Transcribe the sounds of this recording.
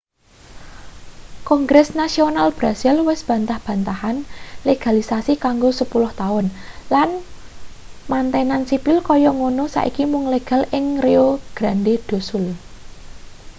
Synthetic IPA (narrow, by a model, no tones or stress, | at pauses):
kɔŋɡɾɛsnasionalb̥ɾasɪlwɪsb̥ä̤nt̪ahb̥a̤nt̪ahanleɡ̥a̤lisasikaŋɡosəpulʊht̪aʊnlan | mant̪ɛnansipɪlkɔjɔŋonosa̰ʔḭkimʊŋleɡ̥ä̤lʔɪŋreoɡ̥ɾa̤nded̪̥o̤sʊl